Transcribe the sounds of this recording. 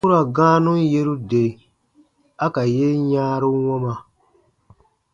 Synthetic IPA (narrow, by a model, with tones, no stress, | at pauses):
u˦ɾa˨ɡãː˦nũ˦je˦ɾu˦de˨ | a˦ka˨je˦ɲaː˦ɾu˦wɔ˦ma˨